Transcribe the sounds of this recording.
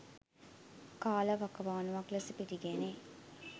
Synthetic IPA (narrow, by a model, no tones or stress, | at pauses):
kaːləʋakɐʋaːnuʋakləsəpiɾiɡene